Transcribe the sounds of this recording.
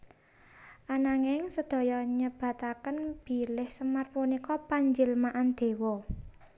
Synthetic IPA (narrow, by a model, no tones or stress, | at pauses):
ʔanaŋɪŋsəd̪̥ɔ̤jɔɲəb̥a̤t̪akənb̥i̤lɪhsəmarpunikɔpaɲd͡ʒɪlmaʔand̪̥e̤wɔ